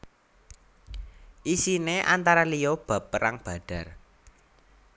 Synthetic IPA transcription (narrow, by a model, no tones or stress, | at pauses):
ʔisineʔa̰nt̪aɾalijob̥a̤pːəɾaŋb̥a̤ɖ̥a̤r